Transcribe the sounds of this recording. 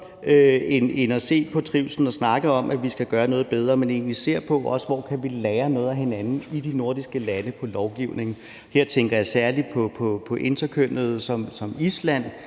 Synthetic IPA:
øene̝nɒse̝̰ːpʰɒ̽t͡sʰʁiʊsn̩ɒ̽snɑ̈ɡ̥əɒ̽mʔæʋisɡ̥æɡ̥ɶːɐnɔ̽ːð̞̩ˠbeð̞ˠʁɐːmene̝̰ːnlise̝ɐ̰pʰɒ̽ʔɒ̽səʋɒ̰ːkʰæʋilɛːɐnɔ̽ːðˠæɦe̝nænn̩id̥ino̝ɐd̥isɡ̥əlænəpʰɒ̽lɒʊɡ̥iʊne̝ŋ̩ | he̝ɐ̰t͡sʰeŋɡ̥ɐjɑ̈ɪsæɐlid̥̚pʰɒ̽pʰɒ̽pʰɒ̽ʔe̝nd̥ɐkʰøn̰ð̞̩ˠsɒ̽msɒ̽mislæn̰

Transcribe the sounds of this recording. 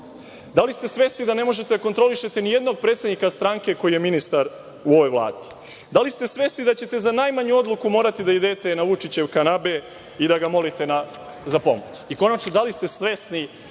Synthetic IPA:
d̪alist̪e̞sʋe̞ːsnid̪ane̞mo̞ʒet̪ed̪akot̪ɾo̞liʃe̞t̪enije̞d̪no̞ɡ̚pɾet̪sed̪nikast̪ɾaŋke̞ko̞jije̞minist̪aɾ | uo̞ʋo̞jʋlˠa̰ːd̪̥i̥ | d̪alist̪e̞sʋe̞ːsnid̪at͡ɕe̞t̪e̞zanaːjmaɲuo̞d̪lˠukumo̞ːɾat̪id̪ajed̪et̪enaʋut͡ʃit͡ɕe̞wkanabe̞ | id̪aɡamo̞lit̪e̞na | zapo̞̰mo̰t͡ɕiko̞nat͡ʃno̞d̪alist̪e̞sʋe̞sni

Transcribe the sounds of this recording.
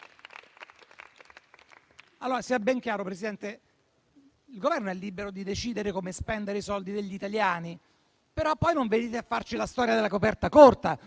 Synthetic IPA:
alːoːɾasiɛbːɛŋkjaːɾopɾesid̪ɛnt̪e | ilɡovɛrnoɛlːibeɾod̪id̪et͡ʃiːd̪eɾekomespɛnd̪eɾeisɔld̪id̪eʎːit̪aljaːni | peɾɔpːɔjnoɱved̪iːt̪eafːart͡ʃilast̪ɔːɾjad̪elːakopɛrt̪akort̪a

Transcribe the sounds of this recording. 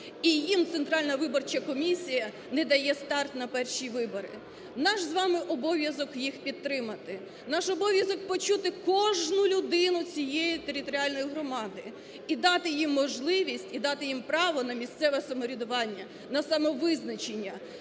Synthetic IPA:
ijimt̪sɛnt̪ɾɑlʲnɐʋɪbɔrt͡ʃɐkɔmʲisʲijɐ | nɛd̪ɐjɛst̪ɑrt̪nɐpɛrʃiʋɪbɔɾɪ̰ | nɑʃzʋɑmɪʔɔbɔʋʲjɐzɔkjixpʲid̪̚t̪ːɾɪmɐt̪ɪ | nɑʃɔbɔʋʲjɐzɔk̚pɔt͡ʃut̪ɪkɔʒnʊlʲʊd̪ɪnʊt͡sʲijejit̪eɾʲɪt̪ɔɾʲɪɑlʲnɔjiɦɾɔmɑd̪ɪ | id̪ɑt̪ɪjimːɔʒlˠɪʋʲisʲtʲid̪ɑt̪ɪjimpɾɑʋɔnɐmʲist̪sɛʋɛsɐmɔɾʲid̪ʊʋɑnʲːɐ | nɐsɐmɔʋɪznɐt͡ʃenʲːɐ

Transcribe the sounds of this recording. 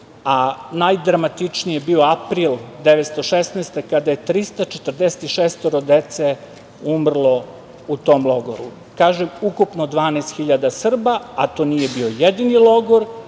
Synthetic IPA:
anajd̪ɾamat̪it͡ʂnijebio̞apɾiːlˠd̪eʋet̪st̪o̞ʃesneːst̪ekad̪aje̞t̪ɾist̪at͡ʃe̥t̪r̩d̪ese̥t̪iʃest̪oɾod̪et̪se | umr̩lˠo̞ | ut̪o̞mlˠoɡo̰ɾṵ | kaːʒemukupnod̪ʋaːneːst̪xiʎad̪asr̩baat̪o̞nije̞bio̞jed̪inilˠo̞ɡoɾ

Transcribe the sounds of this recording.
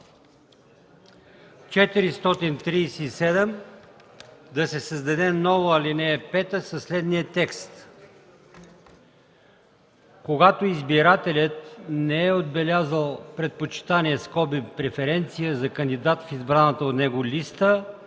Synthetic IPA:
t͡ʃɛt̪iɾist̪ɔt̪int̪ɾiːsɛisɛd̪ɛm | d̪ɐsɛsəzd̪ɐd̪ɛnɔvoalinɛːpɛt̪əsɐslɛd̪nijət̪ɛkst̪ | koɡat̪oizbiɾat̪ɛlʲət̪nɛɛod̪̚bɛlʲazəlˠpɾɛt̪̚pot͡ʃi̥t̪aniɛskɔbipɾɛfɛɾɛnt̪sijəzɐkənd̪id̪at̪fizbɾanət̪əot̪nɛɡolʲist̪ə

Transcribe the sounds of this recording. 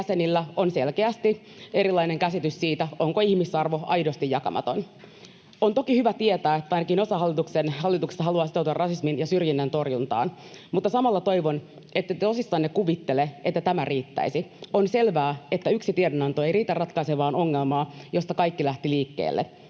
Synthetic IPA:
æsenilːæonselkeæst̪i | e̞ɾilɑineŋkæsit̪yssiːt̪æoŋkoihmisɑrʋo̞ɑ̰jdost̪ijɑkɑ̰mʔɑ̰t̪o̞n | ont̪okihyʋæt̪iet̪æːet̪ːæɑjnɑkino̞sɑɦɑlːit̪uksenhɑlːit̪ukse̥st̪ːɑhɑluɑːsit̪ot̪uɑrɑsisminjɑsyrjinːent̪o̞rjunt̪ɑ̰ːnmut̪ːɑsɑmɑlːɑt̪o̞jʋon | et̪ːæt̪osisːɑːnːekuʋit̪ːeleet̪ːæt̪æmærʔiːt̪ːæ̰isio̞nse̞lʋæːet̪ːæyksit̪iedenɑnt̪oeijriːt̪ærːɑt̪kɑiseʋɑːno̞ŋːelmɑːjo̞st̪ɑkɑjkːilæht̪iliːkːḛːlːḛ

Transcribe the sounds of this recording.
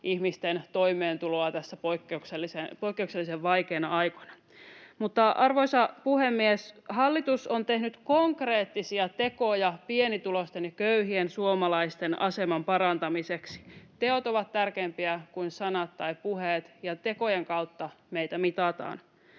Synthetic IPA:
ihmist̪ent̪o̞imˑeːnt̪uloɑt̪æsːæpoikːeukselːisepoijkːeukselːiseʋʋɑjkeːnɑɑjkonɑ̥ | mut̪ːɑɑrʋoisɑpuhemːieshɑlːit̪usont̪e̞hnyt̪koŋkreːt̪ːisiɑt̪e̞kojɑpienit̪ulost̪enjɑkøyɦiensuomɑlɑist̪enɑ̰semɑmpɑɾɑnt̪ɑmiseksi̥t̪eot̪oʋɑt̪t̪ærkeːmpiækuinsɑnɑt̪tɑipuɦeːt̪jɑt̪e̞ko̞jeŋkɑut̪ːɑmejt̪æmit̪ɑt̪ɑ̰ːn

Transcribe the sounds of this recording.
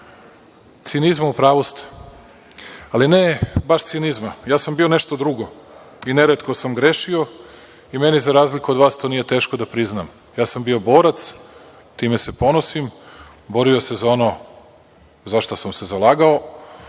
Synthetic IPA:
t̪sinizmaupɾaːʋost̪ | alinebaʃt̪sionizmajaːsambione̞ʃt̪od̪ɾuɡo̞ | ineɾet̪ko̞samɡɾeːʃio̞ | imenizaɾaːzlikuod̪ʋaːst̪onije̞t̪e̞ːʃko̞d̪apɾiznam | jaːsambio̞bo̞ːɾat̪s | t̪iːme̞se̞po̞nosim | bo̞ɾio̞se̞zao̞no̞ | zaʃt̪osamse̞zalˠaːɡao̞

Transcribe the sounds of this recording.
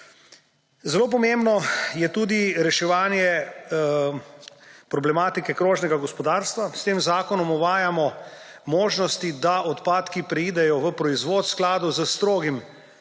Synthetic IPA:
zɛloːp̬ɔmembnɔjɛt̪uːd̪iɾɛʃɛʋaːnjɛ | pɾɔblɛmaːt̪ikɛkɾoːʒnɛɡaɡɔspɔd̪aːɾst̪ʋast̪eːmzaːkɔnɔmɔʋaːjamɔ | moːʒnɔst̪id̪aɔt̪paːt̪kipɾɛiːd̪ɛjɔʋəpɾɔizʋoːt̪sklaːd̪ozəst̪ɾoːɡim

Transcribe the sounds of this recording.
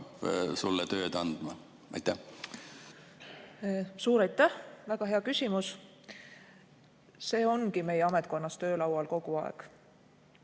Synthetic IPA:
psulːɛt̪ø̞ːd̪̥ɑnd̪̥mɑ | ɑ̰jt̪ːæh | suːɾɑjt̪ˑːæhvæɡ̥ɑɦe̞ɑkysʲimus | se̞ːo̞nɡime̞jeɑmet̪̚ˑko̞nːɑst̪ø̞ːlɑwɑlko̞ɡ̥uɑḛɡ̥

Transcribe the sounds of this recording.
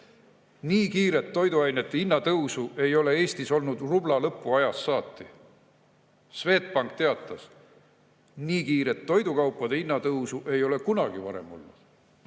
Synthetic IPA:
niːkiːɾe̞t̪ːo̞jd̪uɑjne̞t̪ːeinːɑt̪ɤwsuʔe̞jo̞le̞e̞ːsʲt̪iso̞lnud̪rublɑlɤpːˑuɑjɑsːɑːt̪ːˑi | sve̞ːt̪̚pɑŋk̚t̪e̞ɑt̪ːˑɑs | niːkiːɾet̪ːo̞jd̪ukɑwpːˑɑd̪̥einːɑt̪ɤwsuʔe̞jo̞le̞kunɑɡ̥ivɑɾe̞̰mo̞̰lnṵd̪̥

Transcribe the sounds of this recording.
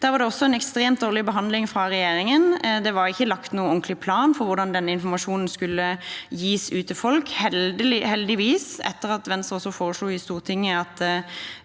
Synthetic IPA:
d̪̥æːʋɑʁd̪ɛɔsːɔɛnɛkst̪ɾeːmt̪d̪oːʁlɪbəɦɑnd̪lɪŋfɾɑʁɛjeːɾɪŋənd̪ɛʋɑɾɪçːəlɑkt̪nuːəɔŋklɪpʰlɑːnfɔɾʋʊɾd̪ɑnd̪ɛnːəɪnfɔmɑʃuːnn̩skʉlːəjiːsʉːt̪ɪfɔlkhɛlhɛld̪ɪʋiːsɛ̰t̪ːəʁɑt̪ʋɛnst̪ʁɔsːɔfoːʁəsluːɪst̪uːʁt̪ʰɪŋːəɑt̪

